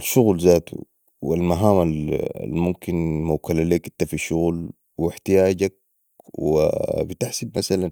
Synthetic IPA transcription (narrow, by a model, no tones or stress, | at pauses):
alʃuɣlzaːt̪ṵ | wilmaɦaːmala̰lmumkinmawkalaleːkʔit̪ːafiʃʊɣl | wiħt̪ijaːɟak̚ | wḭbit̪aħsibmasalan